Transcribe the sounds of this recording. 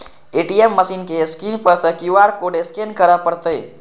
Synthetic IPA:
eʈiemːəsinkeskinpəɾsə̃kiʋaɽkoɖeskenkəɾəpəɾt̪əj

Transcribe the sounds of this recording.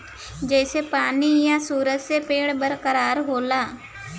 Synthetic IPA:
d͡ʒɛːsepaːnijãsuːɾət̪sepeːɽbəɾkəɾaːɾɦoːlaː

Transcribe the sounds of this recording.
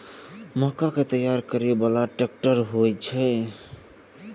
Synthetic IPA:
məɦkaket̪əjaɾkəɾebəlaʈek̚ʈəɾɦojt͡ʃʰɛ

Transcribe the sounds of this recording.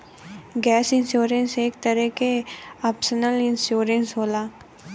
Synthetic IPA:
ɡɛːsɪnsjoːɾenseːkt̪əɾɛkeaːpsənəlɪ̃nsjoːɾensɦoːlaː

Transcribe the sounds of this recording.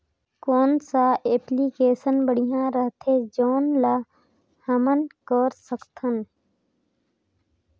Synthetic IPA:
koːnsaʔeːpliːkeːsənbəɽijãɾəɦt̪ʰeːd͡ʒoːnla | həmənkoːɾsəkt̪ʰən

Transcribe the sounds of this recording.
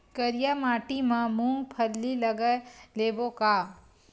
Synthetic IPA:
kəɾɪjamaːʈimãmũːŋɡpʰəɾlilɐɡəleːbokaː

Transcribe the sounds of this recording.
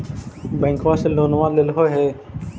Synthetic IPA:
bẽːŋkʋaːseloːnʋãːlɪlɦoːɦeː

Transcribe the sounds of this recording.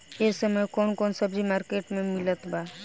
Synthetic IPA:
esəməjkɔːnkɔːnsəbd͡ʒimaːɾkeːʈmẽmɪlət̪baː

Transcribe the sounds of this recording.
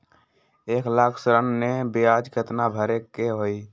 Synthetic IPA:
eklakʰsɾənːebiad͡ʒkʰət̪nabʱəɾekːeɦoi

